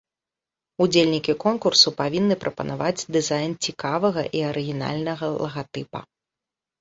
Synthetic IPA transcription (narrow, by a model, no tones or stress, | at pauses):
ud͡zʲelʲnʲikʲikɔnkursupavʲinːɨpɾʔɐpɐnavad͡zʲd̪ɨzajnt͡sʲikavɐɣɐ̰ʔiɐɾɨɣʲina̰lʲnɐɣɐlˠɐɣat̪ɨpɐ̰